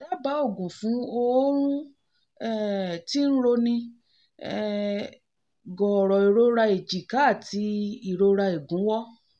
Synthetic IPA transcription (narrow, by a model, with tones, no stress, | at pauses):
la˦ba˨˦o˦˨ɡũ˨fũ˨˦o˧˦ɾ̃ũ˦ | ɛ˦˨ti˦ñ̩˦ɾo˧nĩ˧ | ɛ˨ | ɡɔ˨ɾɔ˨i˨ɾo˧ɾa˧e˨d͡ʒi˨ka˨˦˨ti˧˦i˦˨ɾo˧ɾa˧e˨ɡũ˨˦wɔ˦